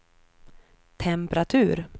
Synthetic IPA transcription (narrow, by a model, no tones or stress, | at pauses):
t̪ʰɛmpɾat̪ʰʉ̟ːɾ